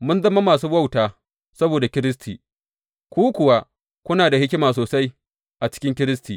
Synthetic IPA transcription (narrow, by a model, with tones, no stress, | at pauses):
mʊ˦nzɐ˦mːa˦maː˨s̬uː˦bɐ˦˨wtaː˨ | sɐ˦boː˨da˨kʲɪ˦ɾɪ˦s̬tʰḭː˨ | kʷuː˦kʷʊ˨wa˦ | kʷʊ˦naː˨da˨hɪ˦kʲɪ˦maː˨soː˨sa˦j | ʔa˨t͡ʃɪ̥˦kʲɪ˦ŋkʲɪ˦ɾɪ˦stiː˨